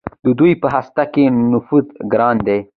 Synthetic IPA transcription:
d̪əd̪ujpəɦast̪akenʊfuzɡɾɑnd̪e

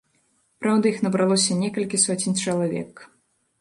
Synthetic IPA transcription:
pɾawd̪ɐixnɐbɾalˠɔsʲɐnʲɛkɐlʲkʲisɔt͡sʲinʲt͡ʂɐlˠavʲɛ̰k

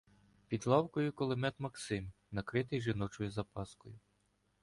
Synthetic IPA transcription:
pʲid̪lˠɑwkɔjʊkɔlˠɪmɛt̪mɐksɪm | nɐkɾɪt̪ɪjʒɪnɔt͡ʃɔjʊzɐpɑskɔjʊ

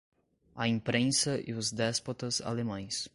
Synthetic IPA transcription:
ɐĩpɾẽsɐʔɪʊzd̪ɛspot̪ɐza̰lemɐ̃j̃s

